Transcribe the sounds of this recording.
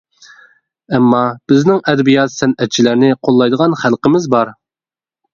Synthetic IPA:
ɛmːɑb̥ɪznɪŋɛd̪ɛbijɑt̪sɛnɛt̪̚t͡ʃʰilæɾnɪqʰolˠːɑjd̪əʁɑnχælˠqəmɪzbɑɾ

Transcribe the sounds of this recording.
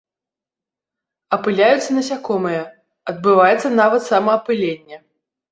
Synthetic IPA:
ɐpɨlʲajut̪sːɐnɐsʲakɔmɨjɐ | ɐd̪̚bɨvajɛt̪sːɐnavɐt̪samɐːpɨlʲenʲːɛ

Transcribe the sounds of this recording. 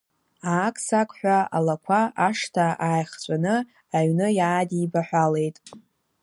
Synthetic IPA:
aːkʼsakʷʼħᶣʷaa̰lakʷʰaʔaʂtʰaʔaːjχt͡sʷʼanɨ | aɥnɨjaːdiːbaħᶣʷale̞jtʼ

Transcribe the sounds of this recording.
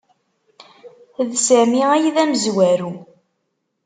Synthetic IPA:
ðsæmiæjiðæməzwæɾu

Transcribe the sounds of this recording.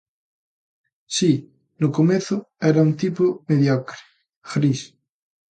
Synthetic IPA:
si | nʊkomeθʊɛɾaunt̪ipomeðjɔkɾi̥ | ɣɾis

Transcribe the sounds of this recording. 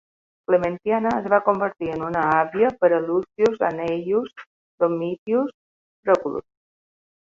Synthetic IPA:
kləmənt̪ianəəzβakumbəɾt̪iənunəaβiəpəɾəlusiuza̰nɛʎus | d̪omit̪ius | tɾokulṵs

